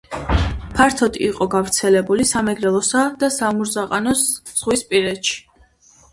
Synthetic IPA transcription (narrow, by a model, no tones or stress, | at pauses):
pʰaɾt̪ʰɔt̪ʼiːqʼɔɡavɾt̪sʰɛlɛbulisamɛɡɾɛlˠɔsad̪̥asamuɾzaqʼanɔsz̥ʁwispʼiɾɛt̪ʃi̥